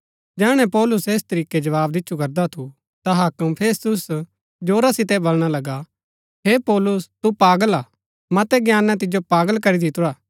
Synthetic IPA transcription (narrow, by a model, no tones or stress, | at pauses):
d͡ʒɛːɽ̃ɛ̃pɔːlʊseːst̪ɐɾiːked͡ʒɐʋaːb̚d̪ɪtːʃʰukɐɾd̪at̪ʰu | t̪aɦaːkəmpʰeːst̪ʊs | d͡ʒoːɾasɪt̪ɛbɐlɽ̃alɐɡa | ɦepɔːlʊst̪upaːɡəlaː | mɐt̪ɛɡjaːnːãt̪̬ɪd͡ʒopaːɡəlkɐɾid̪ɪt̪ʊɾaː